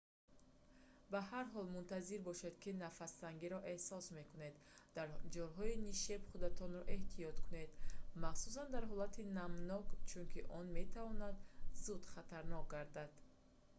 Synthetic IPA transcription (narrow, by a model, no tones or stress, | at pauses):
baɦaɾɦɔlmunt̪ʰaziɾbɔʃed̪kinafast̪aŋɡiɾɔʔe̞hsɔsme̞kune̞d̪ | d̪̥aɾd͡ʒɔɾɦɔiniʃebχud̪at̪ʰɔnɾɔʔe̞ht̪ʰiɔt̪kʰune̞d̪maχsus̬and̪aɾɦɔlat̪ʰinamnɔkt͡ʃʰunkʰiʔɔnme̞t̪ʰavɔnad̪zud̪χat̪ʰaɾnɔk̚ɡaɾd̪ad̪̥